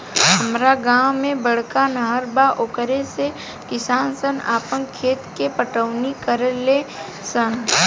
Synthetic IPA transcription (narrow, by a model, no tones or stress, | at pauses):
ɦəmɾaɡãːwmẽbəɽ̤kanəɦəɾbaʔokəɾese | kɪsaːnsənaːpəŋkʰeːt̪kepəʈəʋnikəɾəle | sən